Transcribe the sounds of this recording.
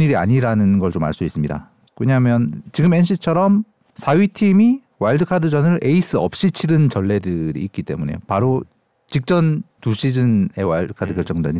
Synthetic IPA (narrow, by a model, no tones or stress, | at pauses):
ɲiɾia̰ɲiɾanɯnɡʌɭt͡ɕoma̰ɭs͈uis͈ɯmɲida̰ | keɲamjʌnt͡ɕiɡɯmenɕʰit͡ɕʰʌɾʌm | sʰaɥitʰimi | waɭdɯkʰadɯd͡ʑʌnɯɾe̞is͈ʰɯʌp̚ɕ͈it͡ɕʰiɾɯnt͡ɕʌɭːe̞dɯɾḭːk̚k͈it͈e̞̰mune̞̰jopaɾo | t͡ɕik̚t͡ɕ͈ʌntuɕʰid͡ʑɯne̞waɭdɯkʰadɯkjʌɭt͡ɕ͈ʌŋdoweɲ